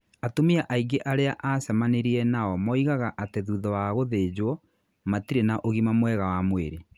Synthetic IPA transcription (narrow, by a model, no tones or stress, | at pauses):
atomiaʔaiɡeʔaɾeaʔasɛmaneɾiɛnaɔmɔiɣaɣaʔateðuːðɔwaɣoðeːd͡ʑwɔ | matiɾenaʔoɣimamwɛɣawamwḛɾe